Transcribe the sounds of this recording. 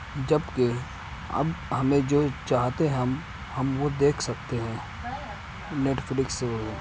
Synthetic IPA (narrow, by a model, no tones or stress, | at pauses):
d͡ʒɐbke | ɐ̰bhɐmẽd͡ʒoːt͡ʃaːɦt̪eɦɛ̃m | hɐmʋod̪eːkʰsɐk̚t̪eɦɛ̃ː | neːʈflɪkseəlẽ